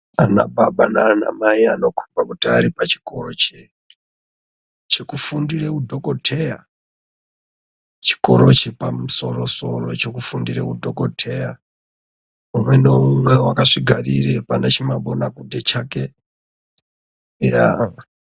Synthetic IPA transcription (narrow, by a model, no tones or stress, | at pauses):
ana̰baɓanana̰maiano̞kʰu̥bakutiaɾipat͡ʃi̥ko̞ɾot͡ʃe | t͡ʃekufundirekudʱo̞kotʰeja | t͡ʃi̥ko̞ɾo̞t͡ʃipamuso̞ro̞so̞̰ro̞̰t͡ʃekufundirḛkudʱokotʰeja | umwe̞noumwewakaʂiɡʱariɾepanat͡ʃimaɓonakudet͡ʃake | ja